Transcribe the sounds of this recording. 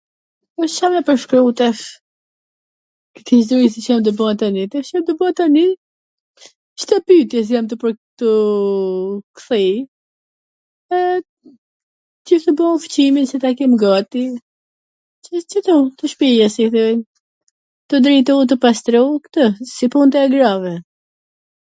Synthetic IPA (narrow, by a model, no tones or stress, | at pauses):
ɔʃʃamɛpəɾʃkɾut̪ɛf | kəkiʃd̪uisit͡ʃamd̪əbɔat̪anit̪ɛʃamd̪əbɔat̪ani | ʃt̪əpyt̪jɛs̬jamt̪əpɾt̪ə | kθi | ɛ | t̪ift̪əbɔuft͡ɕiminsɛt̪akɛmɡat̪i | ət͡ʃət̪ɔt̪əʃpijɛsiθɛn | t̪əd̪ɾɛjt̪ɔut̪̬əpast̪ɾɛkt̪əsipunt̪ɛɛɡɾavɛ